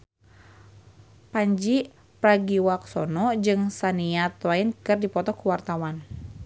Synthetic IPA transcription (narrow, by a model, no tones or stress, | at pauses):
paɲd͡ʒi | pɾaɡiwak̚sɔnɔd͡ʒɨŋsaniat̪wainkɨrdipɔt̪ɔkuwart̪awan